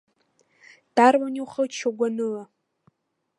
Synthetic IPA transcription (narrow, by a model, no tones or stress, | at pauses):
d̥armaniwχəlt͡ʃʰaɡʷanɨla